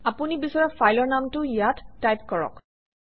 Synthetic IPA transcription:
apunibisɔɹafajlɔɹnamtʊijatːajpkɔɹɔ̰k

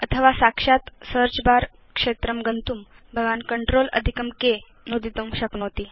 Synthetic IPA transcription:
ət̪ʰəʋasakʂat̪səɾt͡ɕbaɾ | kʂet̪ɾəmɡənt̪uːm | bʱəɡʋankəɳʈɾolə̰d̪ʱikəmke | nod̪it̪umɕəkɳot̪i

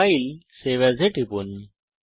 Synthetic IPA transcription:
ailseʋad͡zʱeʈʰipun

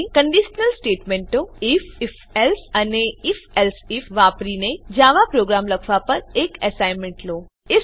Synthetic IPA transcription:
kəɳɖiʃnəlsʈeːʈmẽɳʈoifɪf | elsəneɪfelsifʋaːpɾined͡ʑaːʋapɾoːɡɾaːmləkʰʋapɐɾeːkesaɪnmẽɳʈloː | ɪ

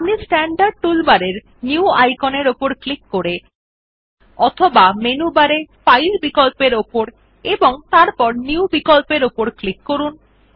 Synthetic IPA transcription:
amnisʈɛɳɖaɖ̚ʈulbaɾeɾ | niuajkoneɾopoɾklikːoɾe | ɔt̪ʰobamenubaɾefajlbikolpeɾopoɾ | eboŋt̪aɾpɔɾniubikolpeɾopoɾklikːoɾun

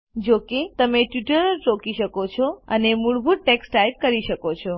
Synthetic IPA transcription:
d͡ʒoket̪əmeʈjiʈəɾəɾt͡ʃokiʃəkot͡ʃʰɔənemuɭbʱuʈ̚ʈeksʈajp̚kəɾiʃəkot͡ʃʰɔ

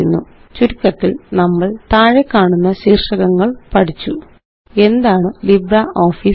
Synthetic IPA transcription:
unːu | t͡ɕuɾikʲːɐt̪ːilnɐmːɐɭt̪aːɻekːaːɳunːɐɕiːrʂɐɣɐŋːɐɭpɐʈit͡ɕːu | e̞nd̪aːɳɨlibɾɐʔo̞ːfiː

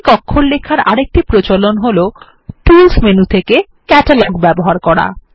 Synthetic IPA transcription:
kɔkʰːollekʰaɾa̰ɾek̚ʈipɾot͡ɕolonɦolo | t̪ilsmenut̪ʰeke | kɛʈalaɡbɛboɦaɾkɔɽa̰

